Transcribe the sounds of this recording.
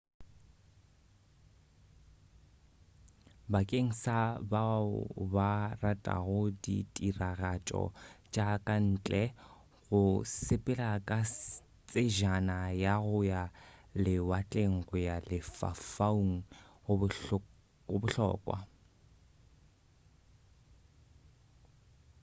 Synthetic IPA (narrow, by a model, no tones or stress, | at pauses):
bakʼeŋ̩sabaʊ̰baratʼa̰ɣʊditʼiraɣat͡ʃʼɔ̰t͡ʃʼakʼan̩ːt͡ɬʼɛ | ɣʊsɪpʼɪlakʼa | t͡sʼeʒanajaɣʊjalɪwat͡ɬʼeŋ̩ɣɔjalɪfa̰fauŋ̩ | ʊbʊɬɔ̰ːkʼwa̰